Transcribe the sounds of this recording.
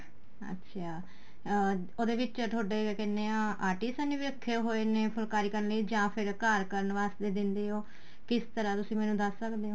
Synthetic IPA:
ə̰tːʃʰaː | oːd̪eːʋɪt͡ʃʈ̪ʰoːɖeːkɛnːeːãaːʈiːsaːnĩːʋiəkʰːeɦoːeːneːpʰʊlkaːɾiːkəɾənləiːd͡ʒãːpʰɪɾkaːɾkəɾənʋaːst̪eːd̪ɪnd̪eːɦoː | kɪst̪əɾãːt̪ʊsĩːmɛ̃ːnũːd̪əsːəkd̪eːɦõː

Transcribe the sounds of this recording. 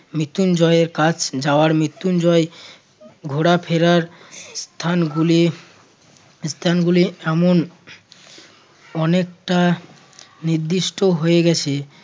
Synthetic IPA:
mit̪und͡ʑɔeeɾkat͡ɕʰd͡ʑaoaɾmɾit̪ːund͡ʑɔe | ɡʱoɽapʰeɾaɾst̪ʰanɡuli | st̪ʰanɡuliɛmon | ɔnekʈa | niɾd̪iʃʈʰoɦoeɡɛt͡ɕʰe

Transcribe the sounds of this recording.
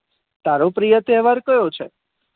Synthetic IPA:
t̪aɾopɾijət̪ɛɦʋaɾkəjot͡ʃʰe

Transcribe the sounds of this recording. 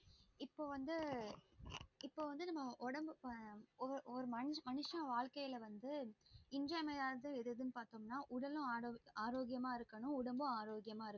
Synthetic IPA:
ɪpːoːʋɐnd̪ɯ | ɪpːoːʋɐnd̪ɯnɐmːɐʔɔɽɐmbɯɔɔɾɯmɐmɐnɯʂɐ̃ʋaːɻkɐjɪlɐʋɐnd̪ɯɪnd͡ʒɐːmɐjaːɾðɯɛðɯðɯnɯpaːɾt̪oːmnaːʔʊɽɐlʊ̃aːɾoːaːɾoːɡɪjɐmaːɪɾɯkːɐɳʊ̃ʊɽɐmbʊ̃aːɾoːɡɪjɐmaːɪɾɯ

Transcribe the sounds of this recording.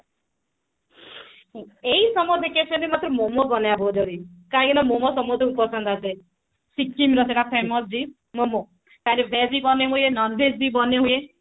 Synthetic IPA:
eisɔmɔd̪ʱekesɔnimat̪ɾɔmomɔbɔnabɔd͡ʒɔɾikãkinɔmomɔsɔmɔd̪ʱɔkupɔsɔnd̪ʱase | sikːimɾɔseʈapʰemɔsd͡ʒi | momo | kanebʱezibɔneɦujenɔnbʱesbibɔneɦuje

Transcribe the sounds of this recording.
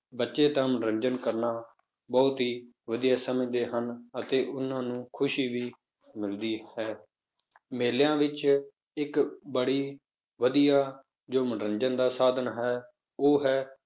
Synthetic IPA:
bətːʃeːt̪ãːmənɾənd͡ʒənkəɾnaː | bɔːt̪ɦiː | ʋəd̪ijaːsəmẽːd̪eːɦənət̪eːʔʊnãːnũːkʰʊʃiːʋiː | mɪld̪iːhɛː | meːljãːʋɪt͡ʃ | ɪkbəɽiː | ʋəd̪ijaː | d͡ʒoːmənɾənd͡ʒənd̪aːsaːd̪ʱənɦɛː | oːɦɛː

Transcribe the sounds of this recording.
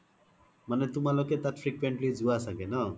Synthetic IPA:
manɛt̪umalɔket̪at̪fʰɾikʋeɳʈlid͡zuasakenʌ

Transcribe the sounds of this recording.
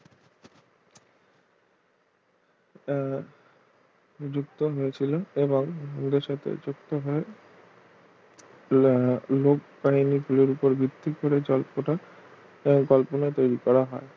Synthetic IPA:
d͡ʑuk̚t̪oɦoet͡ɕʰiloeboŋund̪eɾʃat̪ʰḛd͡ʑuk̚t̪oɦoe | lok̚painiɡuleɾupoɾbʱit̪ːikoɾed͡ʑɔlpoʈa | eboŋkɔlponat̪ojɾikɔɾaɦɔe

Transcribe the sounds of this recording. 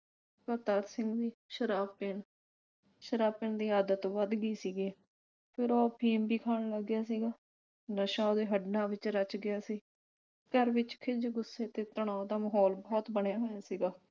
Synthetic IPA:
kət̪aːɾsɪ̃ŋɡd̪iːʃəɾaːpɪɳ | ʃəɾaːpɪɳd̪iːaːd̪ət̪ʋəd̪ɡiːsiːɡeː | pʰɪɾoːpʰiːmbiːkʰaːɳləɡːɪjaːsiːɡaː | nəʃãːod̪eːɦəɖnãːʋɪt͡ʃɾət͡ʃɡɪjaːsiː | kəɾʋɪt͡ʃkʰɪd͡ʒɡʊsːeːt̪eːt̪əɳ̃ãːd̪aːməɦɔːlbɔːt̪bəɳejaːɦoːjaːsiːɡaː

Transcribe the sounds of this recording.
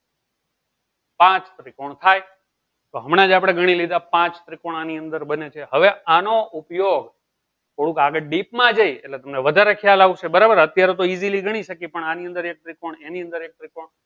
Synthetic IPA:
pãt͡ʃt̪ɾikoɳt̪ʰaj | t̪oɦəmɽ̃ãd͡ʒapɽ̃eɡʱəɽ̃ilid̪apãt͡ʃt̪ɾikoɳaniənd̪əɾbənet͡ʃʰeɦəʋeanoupjoɡ | t̪ʰoɽũkaɡəɖipmãd͡ʒəjḛtlet̪əmneʋəd̪ʱaɾekʰjalaʋũt͡ʃʰebəɾabəɾət̪jaɾet̪oiziliɡʱəɽ̃iʃəkipəɳaniə̃nd̪əɾek̚t̪ɾikoɳeniə̃nd̪əɾek̚t̪ɾikoɳ

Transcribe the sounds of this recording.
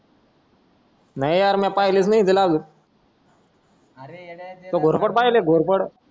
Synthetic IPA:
najjaɾmɛ̃pajlit͡snaɦit̪elablu | t̪oɡʱoɾpəɽpajleɡʱoɾpəɽ

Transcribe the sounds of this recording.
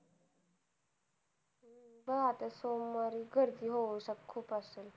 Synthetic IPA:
bəat̪asomːaɾiɡəɾd̪iːɦoʋəsakkʰːuːpasel

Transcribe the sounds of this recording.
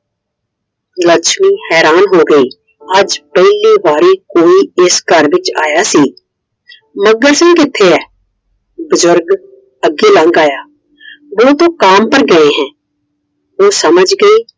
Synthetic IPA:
ləkʃmiːhɛːɾaːnɦoːɡəiː | əd͡ʒpɛliːbaːɾiːkoːiːɪskəɾʋɪt͡ʃaːjaːsiː | məɡəɾsɪ̃ŋɡɪt̪ʰːeːɛː | bʊzʊɾɡ | əɡːeːlə̃ŋɡaːjaː | ʋoːt̪õːkaːmpəɾɡəẽːɦɛ̃ː | oːsəməd͡ʒɡəiː

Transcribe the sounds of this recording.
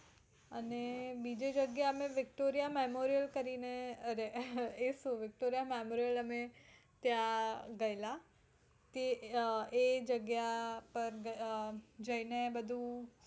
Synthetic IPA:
ənebiːd͡ʒed͡ʒəɡjaəmẽʋɪkʈoɾijamemoɾijəlkəɾineəɾeesuʋɪk̚ʈoɾijamemoːɾijələme | t̪jaɡəjla | t̪e | ed͡ʒəɡjapəɾɡəd͡ʒəinebəd̪ʱũ

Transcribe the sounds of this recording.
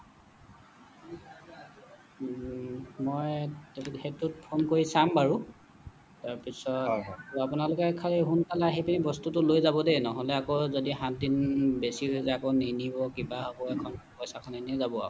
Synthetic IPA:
mɔjtexetʊt̚pʰonkoɹisambaɹu | taɹpisɔapunalʊkɛkʰaliɦunkalaaɦipinibɔstutʊlojzabɔdenɔɦɔlɛakozodiɦãt̚dinbesiɦozɛakoninibɔkibaɦabɔɛkʰɔnpɔjsakʰananɛzabɔa̰

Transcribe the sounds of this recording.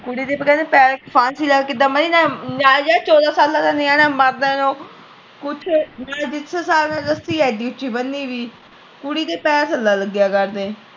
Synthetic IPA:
kʊɽiːd̪eːpəkɛːnepɛːɾkpʰaːnsiːlaːɡkɪd̪aːməniːnanaːd͡ʒaːt͡ʃɔːd̪aːsaːlːãːt̪anɪaːnãːməɾd̪aːnõː | kʊt͡ʃʰnaːd͡ʒɪtsʰəsaːlnaːɾəst̪iːɛːd̪iːʊt͡ʃːiːbənd̪iːʋiː | kʊɽiːd̪eːpɛːsəlːaːləɡjaːkəɾd̪eː

